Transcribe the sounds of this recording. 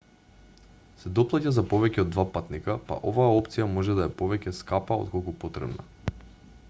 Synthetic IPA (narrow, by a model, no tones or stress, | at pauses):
sɛd̪ɔplˠacazapovɛcɛod̪vapat̪nikapa̰ʔovaːɔpt̪sijamɔʒɛd̪aɛpovɛcɛskapao̰t̪̚kolˠkupɔt̪ɾɛ̰bna̰